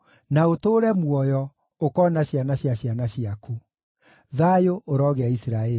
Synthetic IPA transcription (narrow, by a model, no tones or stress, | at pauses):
naotoːɾɛmwɔjɔ | okɔnaɕjanaɕjaɕjanaɕiaku | ðajoʔoɾɔɣeaisɾaɛ